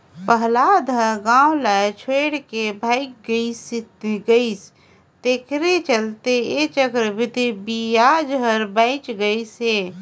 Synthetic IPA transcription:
pəɦlad̪ʱə̃ɡãːwlat͡ʃʰweːɽkebʱaːɪk̚ɡəisit̪ɡəis | t̪ekɾet͡ʃəlt̪eet͡ʃəkɾbʱit̪ibijad͡ʒɦəɾbə̃ɪt͡ʃɡəise

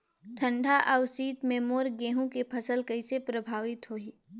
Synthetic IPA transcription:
ʈ̪ʰə̃ɳɖʱaʔəʊsiːt̪meːmoːɾɡẽːɦũkepʰɐsəlkɐɪsepɾɐbʱaːʋɪt̪ɦoːiː

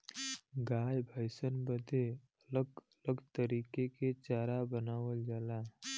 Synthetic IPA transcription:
ɡaːjbʱəɪsənbəd̪ʱe | ələɡ | ləɡt̪əɾiːkeket͡ʃaːɾabənaːʋəld͡ʒaːla

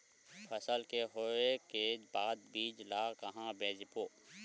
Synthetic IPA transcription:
pʰəsəlkeɦoekebaːd̪̚biːd͡ʒlaːkɐɦãbeːd͡ʒpoː

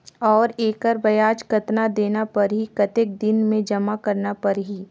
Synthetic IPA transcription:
ɔːɾeːkəɾbɐjaːd͡ʒkɐt̪nad̪eːnapɐɾɦikɐt̪ɪk̚d̪ɪnmẽd͡ʒɐmakɐɾnapɐɾɦi

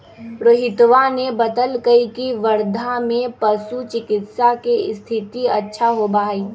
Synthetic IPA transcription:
ɾoɦɪt̪ʋanebɐd̪əlkəikiʋəɾd̪ʱamẽpɐsut͡ʃɪkɪt̪sakeɪst̪ʰɪt̪iɐtːʃʰaɦobaːiː

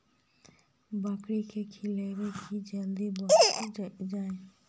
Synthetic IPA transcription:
bakɽikʰekʰileɾekʰid͡ʒəld̪ibɔ | d͡ʒaːẽ

